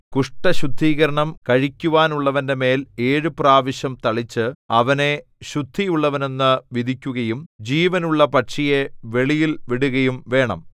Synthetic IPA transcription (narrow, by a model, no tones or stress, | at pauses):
kuʂʈɐɕud̪ʱːiːɣɐɾɐɳɐmkɐɻikʲːuʋaːnuɭːɐʋɐnde̞me̞ːleːɻɨpraːʋɐɕjɐmt̪ɐɭit͡ɕːɨɐʋɐne̞ | ɕud̪ʱːijuɭːɐʋɐne̞nːɨʋid̪ʱikʲːuɣɐjumd͡ʑiːʋɐnuɭːɐpɐʈʂije̞ʋe̞ɭijilʋiɽuɣɐjumʋe̞ːɳɐ̰m